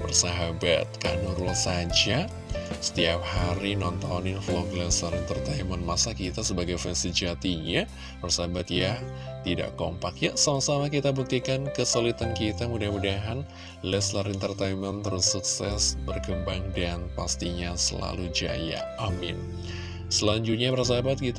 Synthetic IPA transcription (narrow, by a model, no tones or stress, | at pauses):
bərsaɦabat̪̚ka̰noɾulasad͡ʒa | sə̥t̪iap̚haɾinɔnt̪anɪnflɔɡlɛslaɾɛnt̪ərt̪ajmənmasakit̪asəbaɡajfɛnsid͡ʒat̪iɲa | bərsaabat̪ja | t̪ida̰ʔko̰mpakjaʔsamasamakit̪abuk̚t̪ikankəsolit̪ankit̪amudahmudaɦan | lɛslaɾɛnt̪ərt̪ajmənt̪əɾusuksɛsbərkəmbaŋdanpast̪iɲasə̰la̰lud͡ʒa̰ja̰ | amɪ̰n | səlaɲd͡ʒut̪̚ɲabərs̬abat̪̚kit̪